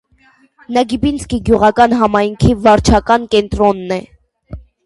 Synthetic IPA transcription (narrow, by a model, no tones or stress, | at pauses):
nɑɡibinskiɡjuʁɑkɑnɦɑmɑjŋkʰivɑɾt͡ʃʰɑkɑnkɛnt̪ɾɔnːɛ